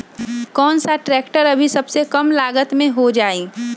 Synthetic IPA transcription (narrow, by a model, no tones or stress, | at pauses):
kɔːnsaʈɾɛːkʈəɾɐbʱisɐbsekɐmlaːɡət̪mẽɦod͡ʒaːiː